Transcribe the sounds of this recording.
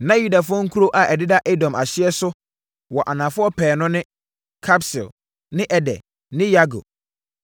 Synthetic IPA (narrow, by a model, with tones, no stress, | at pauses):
nã˦ju˦da˨fʊ˦ɔ̃˦ŋ̩˦kʰu˦ɾo˦ʔa˨ʔɛ˨dɪ˦da˦ʔe˦dɔ̃˨ma˨ɕɪ˦ɛ˦sʊ˦ | wɔ˨ʔa˨nã˨fʊ˦ɔ˦pʰɛː˨nʊ̃˦nɪ̃˦ | kʰa˦psɪ̰˨l | nɪ̃˦ʔɛ˨dɛ̰˨ | nɪ̃˦ja˦ɡo̰˨